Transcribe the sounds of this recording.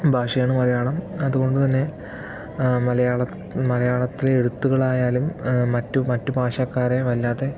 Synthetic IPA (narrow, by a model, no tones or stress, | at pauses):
bʱaːʂɐjaːɳɨmɐlɐjaːɭɐmɐðuɣo̞ɳɖut̪ɐnːe̞ | mɐlɐjaːɭɐ | mɐlɐjaːɭɐt̪ːileɽut̪ːuɣɐɭaːjaːlumːɐtːumɐtːubʱaːʂaːkːaːɾeʋɐlːaːðe̞